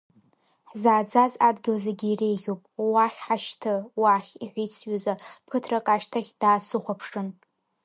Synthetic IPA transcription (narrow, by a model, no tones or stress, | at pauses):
ħzaːd͡zazadɡʲɪlzaɡʲiːrejʁʲopʼwaχʲħaʃtʰɨwaχʲiħʷijt͡sʰɥʊzapʰɨtʰrakʼaʃtʰaχʲd̥aːsɨχʷapʰʂɨn